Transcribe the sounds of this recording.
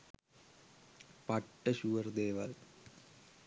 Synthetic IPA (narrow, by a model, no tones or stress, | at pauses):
pɐʈːɐɕuʋɐɾd̪eːʋɐl